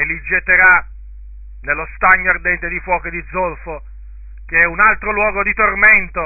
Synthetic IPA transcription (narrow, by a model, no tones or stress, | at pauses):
elːid͡ʒet̪ːeɾa | nelːost̪aɲːoard̪ɛnt̪ed̪ifwɔːked̪id̪zːolfo | k̟eɛunalt̪ɾolwɔːɡod̪it̪orment̪o